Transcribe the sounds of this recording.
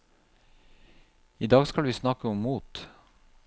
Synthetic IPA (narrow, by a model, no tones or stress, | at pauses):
iːd̪ɑːɡskɑlʋiːsnɑkəʊmːuːt̪